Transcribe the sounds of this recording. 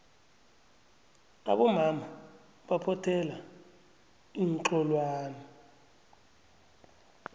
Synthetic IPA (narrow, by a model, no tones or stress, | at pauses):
a̰ɓɔmama | ɓapʰɔtʰɛla | iŋǁɔlwaːnɛ